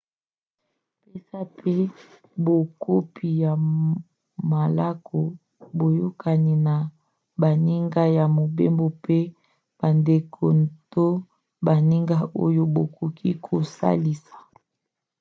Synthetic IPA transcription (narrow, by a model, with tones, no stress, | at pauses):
pe˦sa˦pʰe˦ | bo˨ko˦pi˨ja˨ | ma˨la˦ko˨ | bo˨jo˦ka˨ni˨na˨ | ba˨ni˦ŋɡa˦ja˨mo˨be˦mbo˨pe˦ | b̥a˨nde˨kʰo˨nto˦ | ba˨ni˦ŋɡa˦ʔo̰˦jo˦bo˨ko˨kʰi˦kʰo˨sa̰˦li˨sḁ˨